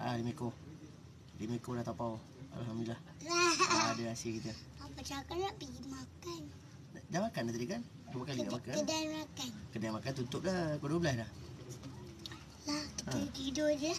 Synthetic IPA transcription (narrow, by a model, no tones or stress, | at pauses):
a̰liməiko | liməikolaht̪apaw | a̰lɦamdilah | laadəasiəkit̪ə | apat͡ʃakalaʔpiimakan | damakandat̪adikan | ɾubakaliɡaʔmakaədanmakankədanmakant̪unt̪ʊʔlahkoduwəbəlasdah | laəətidod͡ʒə